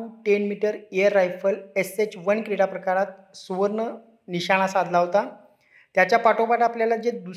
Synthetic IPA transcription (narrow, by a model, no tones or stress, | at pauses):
uːʈenmiʈəɾejəɾːajfəleset͡ɕʋənkɾiɽapɾəkaɾat̪ | suʋəɾɳə | niɕaɽ̃asad̪ʱlaɦot̪a | t̪jat͡ɕjapaʈopaʈapljalad͡ʑed̪u